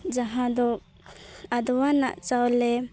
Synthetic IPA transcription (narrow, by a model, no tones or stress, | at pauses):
d͡ʒaɦãd̪ɔ | ad̪wana̰ʔt͡ʃawlɛ